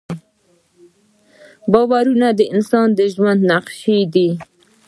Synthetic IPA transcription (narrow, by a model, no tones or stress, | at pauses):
bɑwaɾunad̪əɪnsɑnd̪əʒwand̪naqʃid̪i